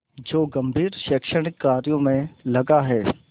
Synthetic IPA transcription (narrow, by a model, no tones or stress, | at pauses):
d͡ʒoːɡɐmbʱiːɾʃəkʃəɽ̃ɪkːaːɾijõmẽlɐɡaɦɛː